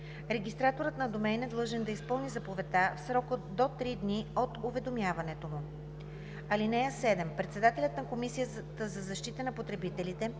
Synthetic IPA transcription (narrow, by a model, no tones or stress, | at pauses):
ɾɛɡʲist̪ɾat̪oɾət̪nɐd̪omɛjnɛd̪lˠɤʒɛnd̪ɐispɤlˠnizɐpovɛt̪afsɾɔkəd̪ot̪ɾid̪niot̪ʊvɛd̪omjavɐnɛt̪omu | ɐlinɛjəsɛd̪ɛmpɾɛt̪sɛd̪at̪ɛlʲət̪nɐkomisijət̪əzɐzɐʃt̪it̪ənɐpot̪ɾɛbit̪ɛlit̪ɛ